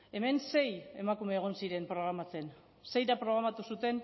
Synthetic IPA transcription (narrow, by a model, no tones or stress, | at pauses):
e̞me̞nse̞je̞makume̞ːɣ̞o̞nsiɾe̞mpɾo̞ɣ̞ɾamat͡se̞n | se̞jɾapɾo̞ɣ̞ɾamat̪usut̪e̞n